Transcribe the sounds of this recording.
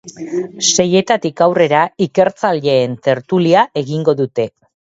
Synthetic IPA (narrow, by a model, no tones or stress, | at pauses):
se̞je̞t̪at̪ikawre̞ɾaike̞ɾt͡saleːnt̪e̞ɾt̪uliaʔe̞ɣiŋɡo̞ðut̪e̞